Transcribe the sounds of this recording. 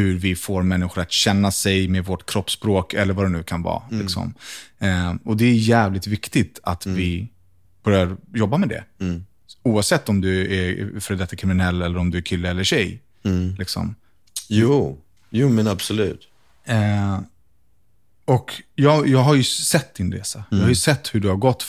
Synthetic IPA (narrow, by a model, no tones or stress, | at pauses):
hɵɾvɪfoːɾmɛnːɪɧʊɾat̪ɕɛnːasɛjmeːd̪vɔʈkʰɾɔpːspɾoːkʰɛlːəɾvad̪ɛnʉ̟ːkʰanvɑ̰ːlɪksɔ̰m | ɔd̪ɛːjjæːvlɪt̪vɪkt̪ɪt̪ʰat̪vɪ | b̥œɾjaɾjɔbːamɛd̪ɛ̰ | uːavsɛt̪ːɔmd̪ɵæɾfœɾdɛt̪ːakʰɾɪmɪnɛlːɛlːəɾɔmd̪ɵæɾkʰɪlːəɛlːəɕɛj | lɪksɔ̰m | juː | juːmɛnabsɔlʉ̟̰ːt̪ | ɔkjɑːjɑːɡɦaɾjɵsɛt̪̚ːd̪ɪnɾḛːsajjɑːhajɵsɛt̪ːhɵɖɵhaɾɡɔt̪ː